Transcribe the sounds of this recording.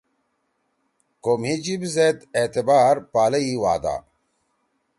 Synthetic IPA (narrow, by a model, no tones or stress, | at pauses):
komhid͡ʑibzed̪et̪ebaːɾpaːlɐiwa̰ːd̪a̰ː